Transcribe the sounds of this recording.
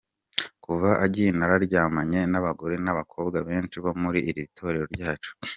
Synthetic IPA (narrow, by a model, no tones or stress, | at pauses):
kuvaʔaɟinaɾaɾɟaːmaɲe̞naβaɡoɾenaβakʰo̞ːbɡaβe̞ːnt͡ʃiβo̞muɾiːɾitʰo̞ɾe̞ɾo̞ɾɟaːt͡ʃu̥